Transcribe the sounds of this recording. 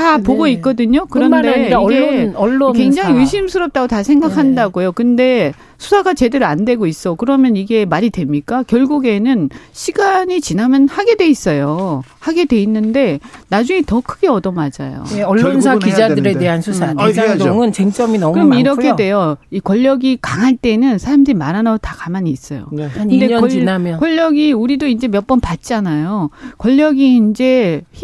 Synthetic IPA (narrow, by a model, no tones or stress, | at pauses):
tapoɡoik͈ʌdɯɲokɯɾʌndɡeʌɭːokwe̞ŋd͡ʑaŋiɯɕʰimsʰɯɾʌp̚t͈aɡotasʰeŋɡakʰandaɡojokɯnde̞ | sʰusʰaɡat͡ɕe̞dɯɾɯandwe̞ɡois͈ʌkɯɾʌmjʌniɡe̞maɾidwe̞mɲik͈akjʌɭɡuɡe̞nɯnɕʰiɡaɲit͡ɕinamjʌnhaɡe̞dwe̞is͈ʌjohaɡe̞dwe̞inːɯnde̞nad͡ʑuŋitʌkʰɯɡe̞ʌdʌmad͡ʑa̰jo̰onsʰakid͡ʑadɯɾede̞ɦansʰusʰandŋɯnt͡ɕeŋt͡ɕ͈ʌminʌkɯʌmiɾʌkkʰe̞dwe̞joikwʌʎːʌɡikaŋɦaɭt͈e̞nɯnsʰaɾamdɯɾimaɾanaɡotakamaɲiːs͈ʌjo̰kɯnde̞inamjʌkwʌʎːʌɡiuɾidoind͡ʑe̞mjʌp͈ʌnpat̚t͡ɕ͈ianajokwʌʎːʌɡiːnd͡ʑe̞